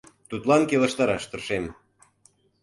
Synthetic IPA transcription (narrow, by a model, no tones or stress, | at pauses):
t̪ut̪lɑnkelə̆ʃt̪ɑɾɑʃt̪ə̆rʃem